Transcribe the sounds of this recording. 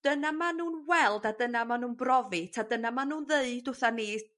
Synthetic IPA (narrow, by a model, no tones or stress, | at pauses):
d̥ənamanuːnwɛlˠdadənamanuːnbrɔvitʰadənamanuːnðeɨdʊθaniː